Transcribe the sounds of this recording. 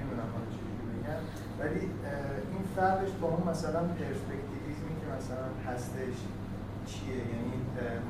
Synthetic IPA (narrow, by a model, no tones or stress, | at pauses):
ed̪unæmhɒnet͡ʃʰid̪icʰebeɟæn | væli | ʔinfæɾd̪eʃt̪ʰoɦamːæsælænpʰe̞ɾspe̞ct̪ʰivizmicʲʰemæsælænhæst̪e̞ʃ | t͡ʃʰiejæni